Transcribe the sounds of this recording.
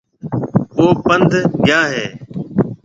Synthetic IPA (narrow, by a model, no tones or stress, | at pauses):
ʋoːpənd̪ʱɡɪjaːɦeː